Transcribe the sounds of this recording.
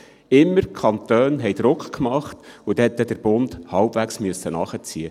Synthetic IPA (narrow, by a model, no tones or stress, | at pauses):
ɪmːəɾkʰɑnt̪øːnɦɛjd̪̥ɾʊkχkmɑχt̪ud̥̪ɛɛt̪ːɛd̪əɾb̥ʊnd̪hɑwb̥ʋæksmyəsːənɑχət͡siə